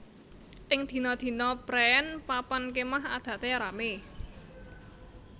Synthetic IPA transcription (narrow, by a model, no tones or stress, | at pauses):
ʔɪŋd̪̥i̤nɔd̪̥i̤nɔb̥ɾɛnpapankemaɦa̰d̪̥ä̤ʔt̪eɾame